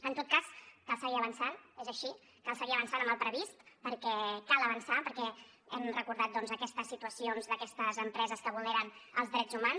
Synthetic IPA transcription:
ənt̪ot̪̚kaskalˠsəɣiəβənsanezəʃi | kalˠsəɣiəβənsanəmbəlˠpɾəβist̪pəɾkɛkalˠəβənsapəɾkɛ | ɛmrəkuɾðat̪̚d̪ɔnzəkɛst̪əsːit̪uəsionzðəkɛst̪əzəmpɾɛzəskəβuleɾənəlˠzðɾɛd͡zzumans

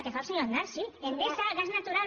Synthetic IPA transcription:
t̪eɣawsejoand̪aɾsienp̪esaɣaznat̪uɾal

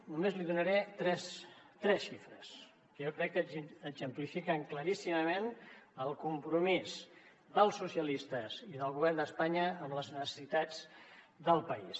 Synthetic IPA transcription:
numezliðunəɾɛt̪ɾɛst̪ɾɛsʃifɾəs | kəjokɾɛkːəəzəmplifikəŋkləɾisiməmenəlˠkumpɾumiz | ðəlˠsːusjəlist̪əziðəlˠɣuβɛrnd̪əspaɲəəmləznəsə̥sit̪ad͡z | d̪əlˠpəis

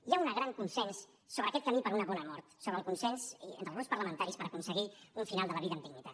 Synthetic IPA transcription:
iaunəɣɾaŋkunsɛnsː | oβɾəːkɛt̪kəmipəɾunəβɔnəmɔɾt̪soβɾəlˠkunsɛnsḛnt̪əlɣunspəɾləmənt̪aɾispəɾəkunsəɣiuɱfinalˠd̪ələβiðəːninit̪a

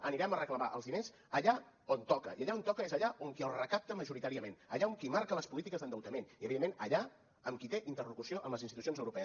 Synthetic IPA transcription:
əniɾɛmərəkləβaʔə̰lˠzðines | əʎa | ont̪ɔkə̰iaʎaont̪ɔkəezəʎaʔoŋkiəlˠrəkap̚t̪əməʒuɾit̪aɾiəmenəʎaoŋkimaɾkələspulit̪ikəzðənd̪əwt̪əmeniəβiðemːenəʎa | əmkit̪eʔint̪ərlukusioʔəmləzinst̪it̪usionzəwɾupɛəs

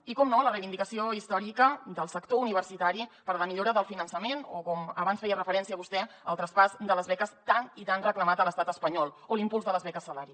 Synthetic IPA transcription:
ikɔmnolərəjβind̪ikəsioist̪ɔɾikəd̪əlˠsəkt̪ouniβ̞əɾsit̪aɾipəɾləmiʎoɾəðəlˠfinənsəmenokɔməβansfɛjərəfəɾɛnsiəːβust̪ɛ | əlˠt̪ɾəspazd̪ələzβɛkəst̪anit̪anrəkləmat̪ələst̪at̪əspəɲɔlˠolimpulzðələzβɛkəsːəlaɾi

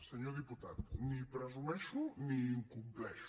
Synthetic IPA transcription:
seɲoɾðiput̪a̰ðunĩpɾɐzumɛʃunĩĩŋkũmplɛʃ

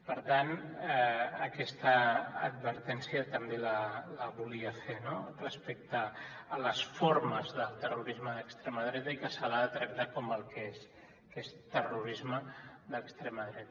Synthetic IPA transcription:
pəɾt̪an | əkɛst̪ə̰ːd̪̚βəɾt̪ɛnsjiət̪əmbelələβuliəfenorəspɛk̚t̪əː | ləsfoɾməzðəlˠt̪əruɾizməðəkst̪ɾeməðɾɛt̪əikəsalaət̪ɾək̚t̪akoməlˠkes | kest̪əruɾizməðəkst̪ɾɛməðɾɛt̪ə

